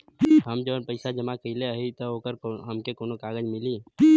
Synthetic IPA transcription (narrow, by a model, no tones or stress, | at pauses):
ɦəmd͡ʒənpəɪsad͡ʒəmakəɪleaɦit̪əoːkəɾɦəmkekoːnokaːɡəd͡ʒmɪliː